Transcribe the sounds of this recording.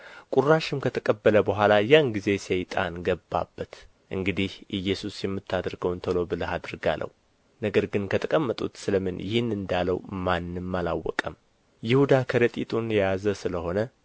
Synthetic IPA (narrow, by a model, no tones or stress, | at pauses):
kʼurːaʃɪmkʰət̪ʰəkʼəbːələbəɦʷalajanɡize̞sɛjt̪ʼa̰nɡəbːa̰bːət̪ | ʔɨŋɡɨd̪ihʔɨjːɛsusjɛmːɨt̪ʰːad̪ɾɡəwnt̪ʰəlobɨləhad̪ɾɡa̰lʔə̰w | nəɡəɾɡɨnkʰət̪ʰəkʼəmːət̪ʼṵt̪sɨləmɨnjɪhɨnːɨnd̪aləwmanːɨmːala̰wːɔ̰kʼəm | jɪhud̪akʰəɾət̪ʼit̪ʼunjjazəsɨləho̞nə